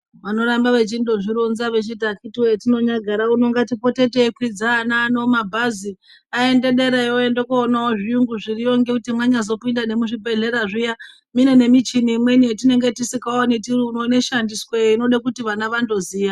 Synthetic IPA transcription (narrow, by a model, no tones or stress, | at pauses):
ʋano̞ɾambaʋe̞t͡ʃindo̞ʐiɾonzaʋet͡ʃit̬akitiwoetino̞ɲaɡʱaɾauno̞ŋɡatipo̞te̞teekwid͡zaːnaːno̞mabʱazi | ae̞nde̞ɗe̞ɾejoendokoːnaoʐiuŋɡuʐirijo̞ŋɡe̞kutimwaɲazo̞pindane̞muʐibʱe̞ɮe̞ɾaʐija | mine̞ne̞mit͡ʃinimwe̞nietine̞ŋɡe̞tisikaonetirunone̞ʃandiskweino̞ɗakutiʋanaʋando̞ziːja